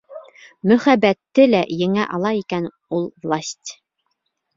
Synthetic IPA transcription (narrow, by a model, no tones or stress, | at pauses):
mɵ̆χæbæt̪ːɘlæjɘ̆ŋæʔɑlˠɑikæn | ulˠvlˠasʲtʲ